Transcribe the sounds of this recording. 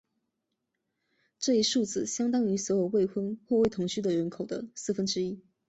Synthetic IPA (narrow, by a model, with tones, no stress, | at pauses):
ʈ͡ʂɤ˥˩i˧˥ʂu˥˩d͡zɹ̩˨˩ɕjɑ˥ŋt̪ɑ˥ŋy˧˥swɔ˧˥jo˨˩ʊwe˥˩ɪxʰwə˥ŋxwɔ˥˧we˥˩ɪt̪ʰʊ˧˥ŋɕy˥d̪ə˨ɻə˧˥nkʰo˨˩ʊd̪ə̰˦sɹ̩˥˩fə˥nʈ͡ʂɻ̩˥i˥